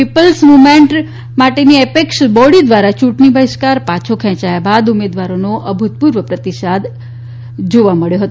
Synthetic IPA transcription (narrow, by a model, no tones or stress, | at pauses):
pipəlsmumeɳʈ | maʈeniɛpekʃbɔɽid̪ʋaɾat͡ʃuʈnibʱəɪʃkaɾpat͡ʃʰokʰɛ̃t͡ʃajabad̪umed̪ʋaɾonoʔəbʱut̪̚puɾʋəpɾət̪iʃad̪ | d͡ʒoʋaməɭjoɦət̪o